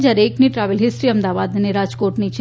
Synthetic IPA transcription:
d͡ʒaɾeeːkniʈɾaːʋəlɦɪsɾiəmd̪aʋad̪neɾad͡ʒkoːʈnit͡ʃʰ

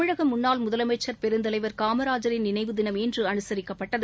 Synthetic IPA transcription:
ɪɻɐɣɐmːʊnːaːlmʊðɐlɐmɐɪt͡ʃːɐɾpɛɾɯnd̪ɐlɐɪʋɐɾkaːmɐɾaːd͡ʒɐɾɪnnɪnɐɪʋɯðɪnɐmɛndrɯɐnɯsɐɾɪkːɐpːɐʈːɐðɯ

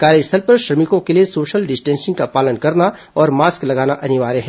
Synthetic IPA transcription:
kaːɾjəst̪ʰəlpɐɾʃɾɐmɪkõkeliesoːʃəlɖɪsʈɛ̃ːnsɪ̃ŋɡkapaːlənkɐɾna | ɔːɾmaːsklɐɡaːnaʔɐnɪʋaːɾeɦɛː

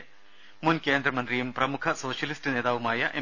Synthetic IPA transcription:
munkeːnd̪ɾɐmɐnt̪ɾijɐmpɾɐmukʰɐsoːʃɐlisʈneːd̪aːʋumaːjɐʔe

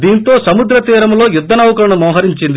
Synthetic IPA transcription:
d̪iːnt̪o̞ːsɐmud̪ɾɐt̪iːɾɐmlo̞ːjud̪ːɐnɐwɐkɐɾɐɳɐmɔːɦɐɾiɲt͡ʃind̪i

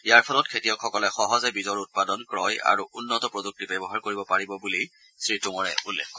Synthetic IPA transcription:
ijaɹpʰalɔt̚kʰetijɔkʰɔkɔlɛxɔɦɔzɛbizɔɹut̚padɔnkɹɔja̰ɹuʔunːɔtɔpɹoduk̚tibɛbɔɦaɹkoɹibɔpaɹibɔbuli | sɹituŋɔɹɛʔulːɛkʰːɔ

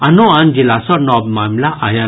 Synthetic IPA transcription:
anoãnd͡ʒilasɔnɔbmamlaʔaja

